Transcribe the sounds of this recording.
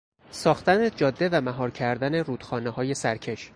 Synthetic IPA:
sɒːxt̪æne̞d͡ʒɒːd̪ːe̞væmæɦɒːɾcʰæɾd̪æneɾuːd̪̥xɒːnehɒːje̞sæɾcʰe̞ʃ

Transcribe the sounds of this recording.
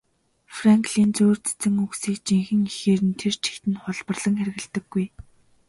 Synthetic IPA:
fraŋkɮiːnt͡soːr̥t͡sʰt͡sɘ̆ŋuksiːkt͡ɕiŋxɘ̆ŋixeːɾɘ̆nt̪ʰert͡ɕʰi̥xt̪ɘ̆nχʊɮpə̆rɮə̆ŋxæɾ̆ɣɘ̆ɬt̪ə̆ɡːuj

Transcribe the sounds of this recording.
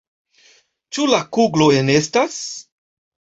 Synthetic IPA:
t͡ʃulakuɡloenestas

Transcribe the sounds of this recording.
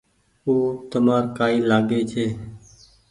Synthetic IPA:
uːt̪əmaːɾkaːiːlaːɡeːt͡ʃʰeː

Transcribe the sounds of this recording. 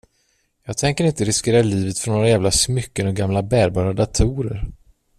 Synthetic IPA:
jɑːɡ̚t̪ʰɛŋkəɾɪnt̪əɾɪskeːɾaliːvət̪fɔɳoːɾajæːvlasmʏkːənɔɡamlabæːɾbɑːɾad̪at̪ʰuːɾəɾ

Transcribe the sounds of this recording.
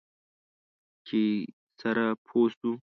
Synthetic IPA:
t͡ʃʰe | sɐɾapʰoːst̪u

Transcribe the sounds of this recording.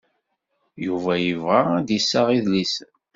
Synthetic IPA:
juvæjəvʁaæd̪isːaʁiðlis

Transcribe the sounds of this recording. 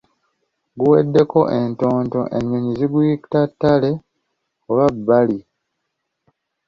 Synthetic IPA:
ɡuwḛdːe̞ko̞ʔe̞nto̞ːnto̞̰ʔḛɲːoɲiziɡujiktatːale̞ | oβabːali

